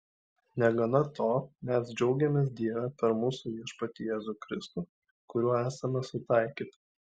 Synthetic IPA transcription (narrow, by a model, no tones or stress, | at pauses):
nʲɛɡɐnɐt̪ʰoːmʲɛsd͡ʒʲɛʊɡʲɛmʲeːs̬d̪ʲiɛʋ̪ɐpʲɛɾmʊːsuʊiɛʃpɐt̪ʲɪjeːzuːˑkɾʲɪst̪uːˑ | kʊɾʲuɔæːsɐmʲɛsʊt̪ɑɪkʲiːt̪ɐ